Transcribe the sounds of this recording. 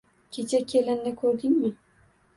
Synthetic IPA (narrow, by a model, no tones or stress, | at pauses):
kʲʰet͡ʃʰakʲʰelɪnːɪkʰɵɾd̪ɪŋmɪ